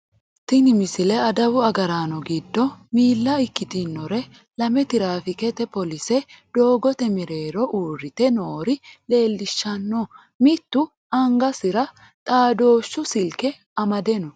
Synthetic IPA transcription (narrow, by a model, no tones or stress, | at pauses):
t̪ːɪnɪmɪsɪlɛɐd̪ɐwʊɐɡɐɾaːnɔɡɪd̪ːɔmiːlːɐɪkːɪt̪ɪnːɔɾɛ | lɐmɛt̪ɪɾaːfɪkɛt̪ɛpɔlɪsɛd̪̥o̞ːɡɔt̪ɛmɪɾe̞ːɾɔʔuːɾːɪt̪ɛnoːɾɪle̞ːlːɪʃːɐnːɔ | mɪt̪ːʊ | ɐŋɡɐsɪɾɐ | t̪ʼaːd̪o̞ːʃːʊsɪlkɛ | ɐmɐd̪ɛnɔ